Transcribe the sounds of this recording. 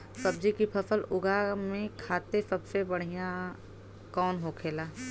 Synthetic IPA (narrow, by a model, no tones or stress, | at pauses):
sɐbd͡ʒikipʰɐfəlʊɡʱamẽkʰaːt̪esɐbsebɐɽ̤ijã | kɔːnɦokʰeːlaː